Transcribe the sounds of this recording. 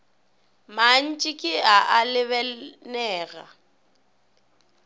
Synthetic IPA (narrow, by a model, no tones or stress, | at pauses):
man̩t͡ʃʼɪkʼɪaʔalɪβɛnɛːɣa